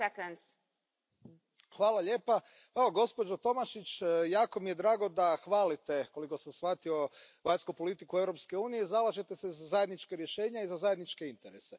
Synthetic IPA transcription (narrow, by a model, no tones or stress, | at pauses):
ekons | xʋaːlˠaʎe̞ːpa | eoɡo̞spo̞d͡ʒot̪o̞maʃit͡ʃːjaːko̞mijed̪ɾaːɡo̞d̪axʋaːlit̪e̞ko̞liko̞samsʋat̪io̞ʋaɲskupo̞lit̪ikue̞ʋɾo̞pske̞uːnijezalaʒet̪ese̞zazajed̪nit͡ʃkeɾje̞ʃe̞ːɲaizazajed̪nit͡ʃkeint̪eɾese